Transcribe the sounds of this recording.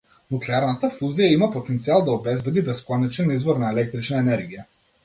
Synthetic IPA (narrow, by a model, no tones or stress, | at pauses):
nuklɛaɾnat̪afuzijaimapɔt̪ɛnt̪sialˠd̪aɔbɛzbɛd̪ibɛskɔnɛt͡ʃɛnizvɔɾnaɛlɛk̚t̪ɾit͡ʃnaɛnɛɾɡija